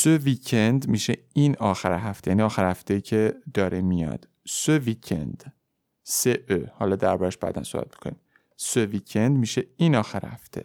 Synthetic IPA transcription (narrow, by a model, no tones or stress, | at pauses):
søviːcʰend̪miːʃe | inɒːxæɾeɦæft̪ʰejæniɒːxæɾhæft̪ʰeiːcʰed̪̥ɒːɾʔemijɒ̰ːd̪̥ | søviːcʰḛnd̪̥ | seʔøhɒːlɒːd̪æɾbɒːɾæʃb̥æ̰ːd̪æ̰nso̰bæ̰t̪mi̥kʰonḭm | søviːcʰend̪miːʃeiːnɒːxæɾhæ̰ft̪ʰḛ